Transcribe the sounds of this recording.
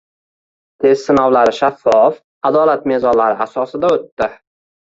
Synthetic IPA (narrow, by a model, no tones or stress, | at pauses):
t̪ʰe̞zsɪnɒwlaɾɪʃafːɒf | ad̪ɒlat̪̚me̞zɒnlaɾɪasɒsɪd̪aot̪ːɪ